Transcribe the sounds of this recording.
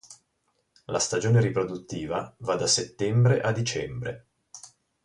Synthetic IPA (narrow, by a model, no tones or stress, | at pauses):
la̰st̪ad͡ʒoːneɾipɾod̪ut̪ːiːvavad̪ːaset̪ːɛmbɾeʔad̪ːit͡ʃɛmbɾḛ